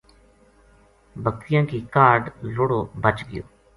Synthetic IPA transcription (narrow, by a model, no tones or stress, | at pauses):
bək̚t̪ɪjãːkiːkaːɾɖlʊɽoːbət͡ʃɡɪjo̰ː